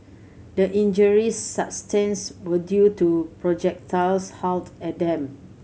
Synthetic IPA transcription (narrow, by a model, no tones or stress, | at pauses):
dəʔĩnd͡ʒəɹisːapstʰɛ̃nswədjutupɹɔd͡ʒɛk̚tʰalshaltɛdɛ̃m